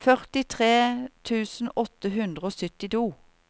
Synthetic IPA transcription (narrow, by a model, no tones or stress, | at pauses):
fœʁt̪ɪt̪ʰʁeːt̪ʰʉːsn̩ɔt̪əɦʉnd̪ʁəoːsʏt̪ɪt̪uː